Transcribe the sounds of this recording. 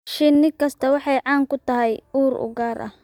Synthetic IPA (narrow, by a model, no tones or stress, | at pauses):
ʃɪnːɪkʰɐst̪ʰɐwɑħɑjʕɑːŋkʰʊt̪ʰɐɦɛjuːɾʊ̰ɡaːɾʔɐ̰